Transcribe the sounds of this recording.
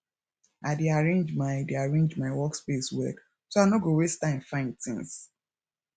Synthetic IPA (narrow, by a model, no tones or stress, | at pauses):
ʔadeaɹẽnd͡ʒmaɪdeaɹẽnd͡ʒmaɪwɔkspeswɛ̰k | soanoɡowestãnfãɪ̃ntĩŋs